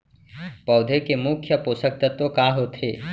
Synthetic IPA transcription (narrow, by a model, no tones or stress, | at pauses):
pɐwd̪ʱekemukʰjəposək̚t̪ɐt̪okaːɦot̪ʰe